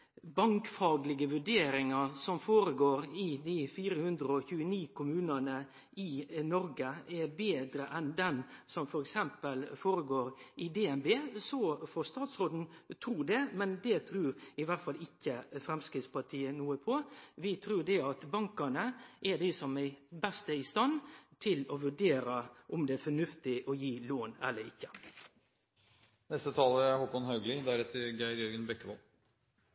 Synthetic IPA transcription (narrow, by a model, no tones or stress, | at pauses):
bɑŋkfɑːɡlɪɡəʋʉɖeːɾɪŋɑɾsɔmfoːɾəɡoːɾɪd̪ɪfiːɾəhʉnd̪ɾəɔçʉːəniːkʰʊmʉːnɑnə | ɪnɔɾɡəɛɾbeːd̪ɾəʔɛnd̪ɛnsɔmfɔɾɛksɛmpəlfoːɾəɡoːɾɪd̪ɛːɛnbeːsɔfɔst̪ɑːt̪sɾoːd̪n̩t̪ʰɾuːɖ̪ɛmɛnd̪ɛt̪ʰɾʉːɾɪʋæt̪fɑlːɪkːəfɾɛmskɾɪt̪spɑʈʰiːənuːəpʰɔʋɪt̪ʰɾʉːɖ̪ɛɑt̪bɑŋkɑnəʔæɖɪsɔmæɪbɛst̪əɪst̪ɑnːt̪ʰɪlɔʋʉɖeːɾəʔɔmd̪ɛæfɔnʉft̪ɪʔɔjiːloːnɛ̰lːəɾɪ̰çːə | nɛst̪ət̪ʰɑːləæɾhɔkɔnhɑʉɡlɪd̪æɾɛt̪ʰəɾɡæɪɾjœɾɡənbɛkːəʋɔ̰l